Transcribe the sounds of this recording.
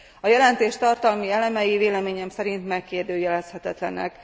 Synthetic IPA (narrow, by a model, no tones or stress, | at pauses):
ɒjɛlɛnt̪eːʃt̪ɒrt̪ɒlmiɛlɛmɛjiveːlɛmeːɲɛmsɛɾint̪mɛkːeːrd̪øːjɛlɛshɛt̪ɛt̪lɛ̰nɛ̰k